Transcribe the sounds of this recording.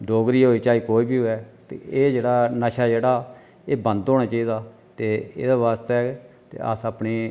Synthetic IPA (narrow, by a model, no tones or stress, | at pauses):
ɖoːɡɾiːɦoːiːt͡ʃaːiːkoːiːbiːɦoːɛːt̪ḛːeːd͡ʒeːɽaːnəʃaːd͡ʒeːɽaː | eːbənd̪ɦoːɽ̃aːt͡ʃaːiːd̪aː | t̪eːḛːd̪aːʋaːst̪ːt̪ḛːə̰saːpneː